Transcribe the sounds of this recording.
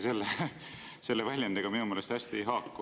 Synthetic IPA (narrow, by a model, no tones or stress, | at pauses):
se̞lːe | se̞lːevælʲjɑnd̪̥eɡ̥ɑminumeːlest̪hæsʲt̪ie̞jɦɑːkːu